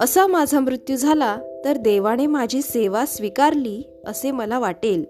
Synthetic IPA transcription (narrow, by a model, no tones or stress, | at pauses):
əsamad͡zʱamɾut̪jud͡zʱalat̪əɾd̪eʋaɽ̃emad͡ʑʱiːseʋasʋikaɾliː | əseməlaʋaʈel